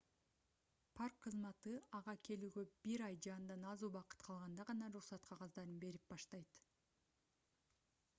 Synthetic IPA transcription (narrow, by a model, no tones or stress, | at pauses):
pʰarkqʰːɯzmɑt̪ɯɑʁɑkʰe̞lyːɡø̞b̥iɾɑjd͡ʒɑːnd̪ɑnɑzuːbɑqɯ̥t̪qʰɑlˠʁɑnd̪ɑʁɑnɑɾuχsɑt̪qʰɑʁɑzd̪ɑɾɯnbe̞ɾip̚bɑʃt̪ɑjt̪